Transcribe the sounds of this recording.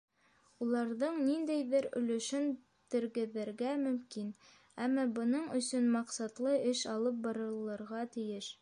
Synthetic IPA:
ulˠɑɾðɤɴnind̪æjðɘɾɵ̰̆lɵ̆ʃɵn | t̪ɘ̆ɾɡɘ̆ðɘɾɡæmɵ̆mkin | æmːɑbɤ̆nɤɴɵ̆sɵnmɑqsɑt̪lˠɤɘʃɑlˠɤp̚bɑɾɤ̆lˠːɤ̆ɾʁɑt̪ɘ̆jɘʃ

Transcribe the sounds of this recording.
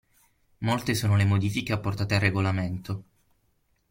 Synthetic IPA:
molt̪esoːnolemod̪iːfikeapːort̪aːt̪earːeɡolament̪o

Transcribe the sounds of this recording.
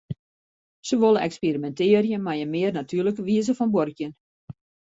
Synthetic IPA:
səʋolˠəɛkspirimɛntɪərjəmajəmɪərnatʰyːrləkəʋiəzəfɔnborkjən

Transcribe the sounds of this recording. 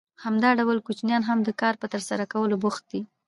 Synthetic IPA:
hamd̪ɑɖawəlkut͡ʃnjɑnɦamd̪əkɑɾpət̪əɾsaɾakawəlobʊxt̪̚d̪i

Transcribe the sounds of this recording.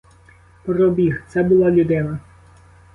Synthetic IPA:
pɾɔbʲixt̪sɛbʊlˠɑlʲʊd̪ɪnɐ

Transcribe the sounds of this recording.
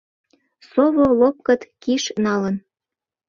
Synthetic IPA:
soβolop̚kɤt̪kiʃnɑlən

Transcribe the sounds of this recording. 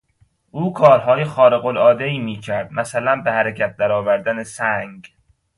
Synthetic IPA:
ʔuːkʰɒːɾɦɒːjexɒːɾeɣolɒːd̪eiːmiːcʰæɾd̪̥mæsælænbehæɾecʰæt̪̚d̪æɾɒːvæɾd̪ænesæŋɡ

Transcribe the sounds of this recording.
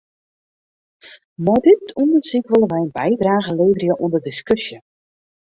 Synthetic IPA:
mɔdɪtundərsikʋoləʋɛjənbɛjdraːɣəleːvərjəʔundərdɪskɵsjə

